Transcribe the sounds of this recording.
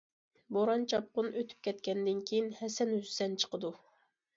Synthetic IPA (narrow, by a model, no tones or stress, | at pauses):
boɾɑnt͡ʃʰɑp̚qʊnøt̪ʰy̥p̚kʲʰɛt̪̚kʲʰɛnd̪ɪnkʲʰejinhɛsɛnhyzsɛnt͡ʃʰə̥qəd̪u